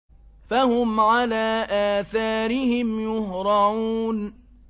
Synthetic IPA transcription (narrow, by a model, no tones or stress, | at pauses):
fahʊmʕalaːʔaːθaːɾɪhɪmjʊhɾˤɑʕuːn